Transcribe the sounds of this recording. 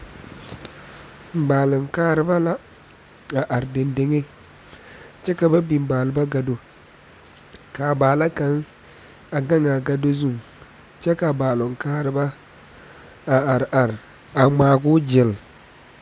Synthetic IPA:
m̩˨baː˨lʊ˨ŋ˨kaː˦ɾɨ˦ba˦la˦ | a˨ʔa˨ɾde˨nde˦ŋe˦ | t͡ʃɛ˦ka˨ba˦bi˨m˦baː˨lɨ˨ba˦ɡa˨do˦ | ka˨baː˨la˦ka˨˦ŋ | a˨ɡa˦ŋa˨ɡa˦do˦zu˦˨ŋ | t͡ʃɛ˦ka˨baː˨lʊ˨ŋ˨kaː˦ɾɨ˦ba˦ | a˨a˨ɾʔa˨ɾ | a˨ŋ͡maː˨ɡʊ˦d͡ʒɪ˨l

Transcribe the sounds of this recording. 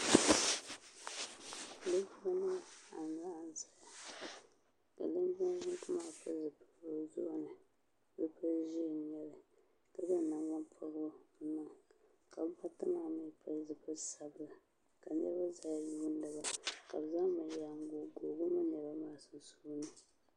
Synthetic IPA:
lɨ˦bu˦ba˦na˦a˨n˨la˦˨n˨za˨ja˨ | ka̰˨lɨ˦n˦ba˦ɡu˦tɨ˦ma˦˨pɨ˦zɨ˨pɨ̥˦bo˦zʊ̰˦ʔnɨ˨ | bɨ˦pa˦ʒi˦˨ɲɛ˦lɨ˨ | tɨ˦zɨ˦˨na˨wa˦npʰa˦ɣo˦nɨ˨ŋ˨ | ka˨˦ba˦tɨ˦ma˦˨mi˦pʰa˦zɨ˨pɨ˦sa˨bɨ˦la˨ | ka˨nɛ˦ba˦za˨˦ju˦n̩˦dɨ˨ba˨ka˨bza˦ma˨ja˨ŋ˦ɡo˨ɡoː˨ɡʊ˦ma˦nɛ˨ba˦maː˦˨sɨ˨su˦nɨ˨

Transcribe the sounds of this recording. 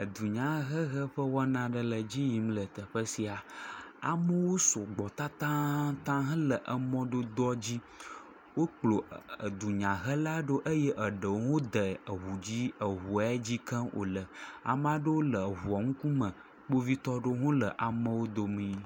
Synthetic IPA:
ə˨d̪u˨ɲã˦ɦə˦ɣə˦ɸə˦wɔ˦nã˦ɖə˨lə˨d͡ʑi˦ji˨mlə˨t̪ə˨ɸə˦si˨a˨a̰˨mə˦wo˦so˨ɡ͡bɔ˨t̪a˦t̪ã˦t̪ã˦ɦə̃˦lə˨ʔə˨mɔ̃˦ɖo˦d̪ɔ˦d͡ʑi˦ | wo˦k͡plo˨ə˨d̪u˨ɲã˨ɦə˦la˦ɖo˦ʔə˦jɛ˦ʔə˨ɖə˨wo˦ŋo˦d̪ə˨ə˨ɦu˨d͡ʑi˦ə˨ɦu˨a˨˦d͡ʑi˦kə̃˦wʔo̰˨lə˨a̰˨m˦a˦ɖə˦wo˦lə˨ɦu˨ɔ˨ŋũ˦ku˦mə̃˨ | k͡po˦vi˦t̪ɔ˦ɖo˦ɦũ˦lə˨ʔa˨mə̃˦wo˦d̪o˦mĩ˦

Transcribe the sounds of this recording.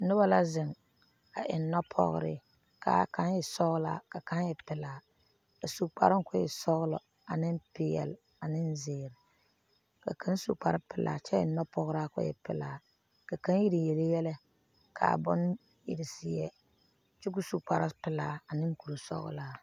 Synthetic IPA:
nʊ˦ba˦la˦zɪ˨ŋ | a̰˨ʔɪ˨˦nːɔ˦pʰɔ̰˦ɣʊ̰˦ɾɪ̰˦ | ka̰˨ka˦njɛ˨sɔ˦ɣla̰ː˦˨ka˨ka˦njɛ˨pɪ˨laː˨ | ka˨su˨k͡pa̰˨ɾɪ˦ŋ˦kʊ˦jɪ̰˨sɔ˦ɣʊ˦lɔ̰˨ | a˨nɪ˦m˦pɪ˦jɛ̰˨l | a˨nɪ˦nzɪː˨ɾɪ˨ | ka̰˨kʰa˦n˦sṵ˨k͡pa̰˦ɾɪ˦pɪ˨lʔa̰ː˨t͡ʃɛ˦ɪ̰˨nːɔ˦pɔ˦ɣɾa˦kʊ̰˦jɛ̰˨pɪ̰˨laː˨ | ka˨ka˦n˦ji˦ɾi˨je˨lɪ˦jɛ˦lɛ˦ | kʰa̰˨bʊ̰˦n˦ | jɪ̰˨ɾɪ˨sɪ˨jɛ˨ | t͡ʃɪ˦ku˦su˨k͡pa˨ɾa˦pɪ˨laː˦a˨nɪ˦ŋ˦ku˨ɾu˨sɔ̰˦ɣʊ̰˦laː˦

